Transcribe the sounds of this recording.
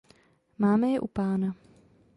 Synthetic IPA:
maːmɛjɛʔupaːna

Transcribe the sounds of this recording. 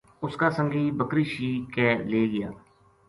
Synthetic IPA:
ʊskaːsə̃ŋɡiːbəkɾiːʃiːkɛːleːɡɪja̰ː

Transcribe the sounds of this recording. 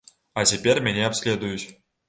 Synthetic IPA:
ɑt͡ɕʲepʲerʲmʲenʲeɑpsʲlʲed̪ujuɕ

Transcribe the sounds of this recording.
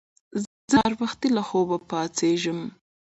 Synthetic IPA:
z | əɾwaxt̪ilaxobapɑt͡seʒəm

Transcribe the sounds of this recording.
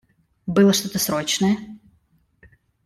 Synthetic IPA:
bɨlˠəʂt̪ot̪əsɾot͡ɕnəjə

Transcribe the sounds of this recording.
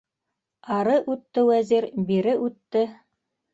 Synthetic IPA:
ɑɾɤʔʉt̪ːɘwæziɾbiɾɘʔʉt̪ːɘ

